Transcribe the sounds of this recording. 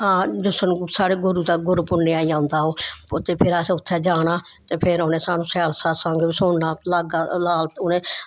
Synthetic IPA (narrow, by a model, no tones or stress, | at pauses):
ɦãːd͡ʒʊsəñːsaːɽeːɡʊɾuːt̪aːɡʊɾuːpʊnneːaːiãːnd̪aːɦoːpːt̪eːpʰɪɾaːseʊt̪ʰːɛːd͡ʒaːnaːt̪eːpʰɪɾonẽːsaːnũːsɛːlsaːsãŋɡisoːnːaːlaːɡaːlaːlt̪ʊnẽː